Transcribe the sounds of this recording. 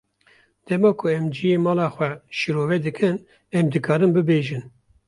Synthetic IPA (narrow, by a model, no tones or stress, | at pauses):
d̪̥ɛmɑːkʰʊɛmd͡ʒijeːmɑːlɑːxwɛʃɨɾoːvɛd̪ɨkʰɨn | ɛmd̪ɨkʰɑːɾɨmbɨbeːʒɨn